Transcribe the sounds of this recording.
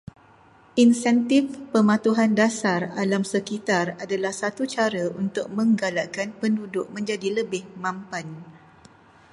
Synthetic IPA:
ʔinsɛnt̪ɪfpəmãt̪uɦandasaralamsəkit̪aradalahsat̪ut͡ʃaɾaunt̪ʊk̚mə̃ŋɡalaʔkanpəndudʊʔ̚mə̃ɲd͡ʒadiləbɪhmãmpan

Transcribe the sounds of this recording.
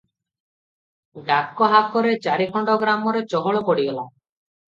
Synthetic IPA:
ɖakːɔɦakɔɾet͡ʃaɾikʰɔɳɖɔɡɾamɔɾet͡ʃɔɦɔɭɔpɔɽiɡɔla

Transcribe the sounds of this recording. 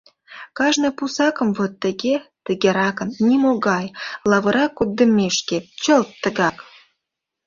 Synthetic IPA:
kɑʒnɤ̆pusɑkə̆mvot̪ːə̆ɡʲet̪ə̆ɡʲeɾɑkə̆nnʲimoɡɑjlɑvɤ̆ɾɑkːud̪ə̆mʲːeʃkʲet͡ɕə̆lt̪ːə̆ɣɑk

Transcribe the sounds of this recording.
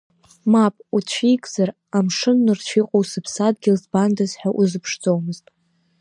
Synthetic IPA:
mapʼut͡ɕʷʰijkʼz̥ar | amʂɨnːɨrt͡ʃʷʰiqʼowsɨpʰsad̚ɡʲɪlzbandazħᶣaʔuzɨpʰʂd͡zo̞wmɨztʼ

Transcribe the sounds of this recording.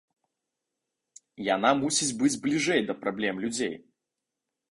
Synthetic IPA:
janamusʲid͡zʲbɨd͡zʲblʲiʐɛjd̪ɐpɾablʲɛmlʲud͡zʲḛj

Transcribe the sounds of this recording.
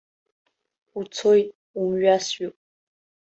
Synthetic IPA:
ut͡sʰojtʼ | umɥasɥupʼ

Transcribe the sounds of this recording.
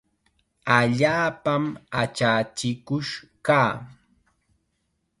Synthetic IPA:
aʎaːpamat͡ʃat͡ʃɪkʊʃkaː

